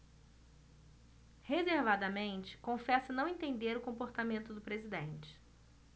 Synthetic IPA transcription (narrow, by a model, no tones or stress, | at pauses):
hezeɾvad̪ɐmẽnt͡ʃɪ̥kõfɛsɐnɐ̃w̃ẽnt̪ẽnd̪eɾʊkõpoɾt̪amẽnt̪ʊd̪ʊpɾezid̪ẽnt͡ʃɪ̥